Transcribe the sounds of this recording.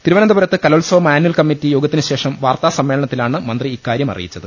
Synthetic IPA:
t̪iɾuʋɐnɐnd̪ɐbɐɾɐt̪ːɨkɐlɐulsɐʋɐmaːnuɐlkɐmːitːijo̞ːɡɐt̪ːinɨɕe̞ːʂɐmʋaːrt̪aːsɐmːe̞ːlɐɳɐt̪ːilaːɳɨmɐnd̪riikːaːɾjɐmɐ̰rḭjit͡ɕːɐðɨ

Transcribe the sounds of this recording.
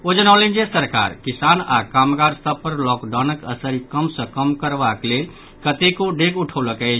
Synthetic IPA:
od͡ʒənalend͡ʒesəɾka̰ɾkisana̰kamɡaɾst̪ʰəpːəɾlɔkɖanəkə̰səɾikəmsə̃kəmkəɾbaklel | kət̪ekoɖekuʈʰəwləkəjt͡ʃʰ

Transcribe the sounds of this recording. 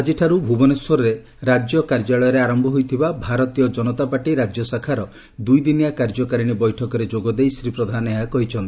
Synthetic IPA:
ad͡ʒiʈʰaɾubʱubɔneswɔɾɔɾe | ɾad͡ʒjɔkaɾd͡ʒaɭɔjɔɾeaɾɔmbʱɔɦujt̪ʰibabʱaɾɔt̪ijɔd͡ʒɔnɔt̪apaʈiɾad͡ʒjɔsakʰaɾɔ | d̪ujd̪inijakaɾd͡ʒɔkaɾiɽ̃ibɔjʈʰɔkɔɾed͡ʒoɡɔd̪ejsɾipɾɔd̪ʱaneɦakɔɦit͡ʃʰɔnt̪i

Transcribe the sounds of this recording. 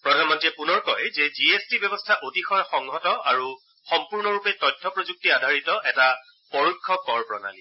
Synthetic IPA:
pɹɔdʱanmɔntiɛpunɔɹkɔjzɛziestibjɔbɔstʰaʔotixɔjxɔŋɦɔtɔaɹu | xɔmpuɹnɔɹupɛtɔjtʰːɔpɹozuk̚tiadʱaɹitɔʔɛta | pɔɹukʰːɔkɔɹpɹɔ̰na̰li

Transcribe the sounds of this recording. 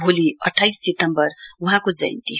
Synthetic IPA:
bʱoliʌʈʰːajsːit̪ʌmbʌruɦãkod͡zʌ̰j̰nt̪i

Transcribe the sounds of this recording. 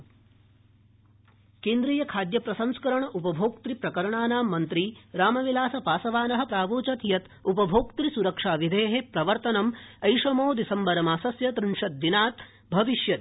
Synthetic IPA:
keːnd̪ɾiːjɐkʰaːd̪jɐpɾɐsɐmskɐɾɐɳɐʔupɐbʱoːk̚t̪ɾipɾɐkɐɾɐɳaːnaːmːɐnt̪ɾiɾaːmɐʋilaːsɐpaːsɐʋaːnɐɦɐ̆pɾaːʋoːt͡ʃɐt̪jɐt̪ | upɐbʱoːkt̪ɾisuɾɐkʂaːʋid̪ʱeːɦepɾɐʋɐɾt̪ɐnɐmɐjʃɐmoːd̪isɐmbɐɾɐmaːsɐsjɐt̪ɾiɳʂɐt̪̚d̪inaːt̪ | bʱɐʋiʃjɐt̪

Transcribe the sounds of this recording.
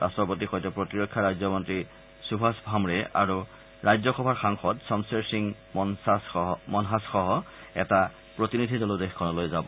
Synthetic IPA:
ɹa̰stɹɔpot̬ixojtɛpɹotiɹɔkʰːaɹajzɔmɔntɹi | subʰʱasbʱamɹɛʔa̰ɹu | ɹajzɔxɔbʱaɹxaŋxɔtsɔmseɹsiŋ | mɔnɦasxɔɦɔ | ɛ̰ta | pɹotinidʱidɔlodexkʰːɔnɔlojzabɔ

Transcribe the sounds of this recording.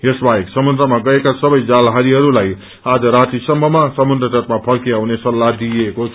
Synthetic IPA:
jesbaeksʌmund̪ɾʌmaɡʌekasʌbʌjd͡zalɦaɾiɦʌɾulaj | ad͡zʌɾat̪isʌmbʱʌmasʌmund̪ʌt̪ʌt̪̚mapʰʌlkiawnesʌlːad̪ieko

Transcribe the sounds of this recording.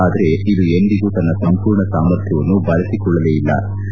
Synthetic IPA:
aːd̪ɐɾe̞id̪uend̪iɡuːt̪ɐnːɐsɐmpuːɾɳɐsaːmɐɾt̪ʰjɐʋɐnːubɐlɐsikɔɭːɐleːjilːɐ̰

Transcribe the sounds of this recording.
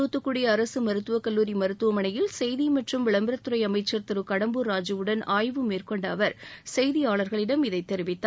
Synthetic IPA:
uːt̪ːɯkːuɽɪjɐːɾɐsɯmɐɾɯt̪ːɯʋɐkɐlːuːɾimɐɾɯt̪ːɯʋɐmɐɳɐjɪlsɛjðimɐʈrɯmʋɪɭɐmbɐɾɐt̪ːɯɾɐɪɐmɐɪt͡ʃːɐɾt̪ɐɾɯkɐɽɐmbɯɾaːd͡ʒɯʋɯɽɐnaːjʋɯmeːrkɔɳɖɐːʋɐɾsɛjðijaːɭɐɾɣɐɭɪɽɐmɪðɐɪt̪ːɛɾɪʋɪt̪ːa

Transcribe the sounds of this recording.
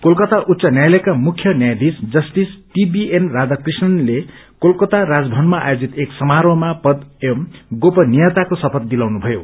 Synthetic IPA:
kolkʌt̪aʔut̪ːsʌnjajlʌkamukʰjʌnjajd̪isd͡zʌsʈisʈibienrad͡zakrisnʌnlekolkʌt̪aɾad͡zbʱʌnmaa̰jod͡zit̪eksʌmaɾʌmapʌd̪emɡopʌnijat̪akosʌpʰʌt̪̚d̪ilawnubʱʌjo

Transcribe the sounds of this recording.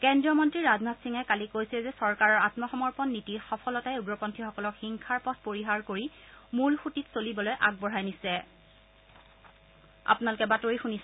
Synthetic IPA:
kɛndɹiɔmɔntɹiɹaznatsiŋɛkalikojsilɛzɛsɔɹkaɹɔɹatmɔxɔmɔɹpɔnːitixɔpʰɔlɔtajʊɡɹɔpɔntʰixɔkɔlɔkxiŋkʰaɹpɔt̚ʰpoɹiɦaɹkoɹimulxutitsolibɔlojʔaɡ̚bɔɹajnisɛ | a̰punalukɛbatoɹixunis

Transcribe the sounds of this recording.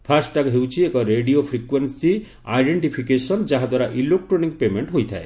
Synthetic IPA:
pʰasʈʈaɡɦewt͡ʃʰiekɔɾeɖiopʰɾikwensi | ajɖeɳʈipʰikesɔnd͡ʒaɦad̪waɾaʔilok̚ʈɾoniŋɡ̚pemeɳʈɦojt̪ʰa̰e

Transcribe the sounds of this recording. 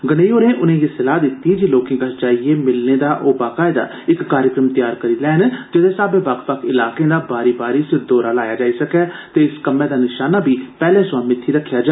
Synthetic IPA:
ɡəneːoːɾẽːʔʊnẽːɡesɪlaːd̪ɪt̪ːiːd͡ʒiːloːkɪ̃ŋɡəsd͡ʒaːieːmɪlneːd̪aːʔoːbaːkaːed̪a̰ː | ɪkːaːɾjəkɾəmt̪ɪjaːɾkəɾiːlɛːnd͡ʒɪd̪eːsaːbẽːbakpəkɪlaːkẽːd̪aːbaːɾiːbaːɾiːsd̪oːɾaːlaːjaːd͡ʒaːiːsəkɛːt̪eːɪskəmẽːd̪aːnɪʃaːnaːbʱiːpɛːlẽːsʊaːmɪt̪ʰːiːɾəkʰːjaːd͡ʒa

